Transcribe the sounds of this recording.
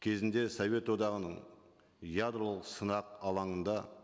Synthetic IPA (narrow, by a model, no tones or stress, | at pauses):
kʲʰe̞zɪnd̪e̞sove̞t̪wo̞d̪ɑʁənəɴ | jad̪ɾo̞lˠəqsənɑqɑlˠɑɴənd̪ɑ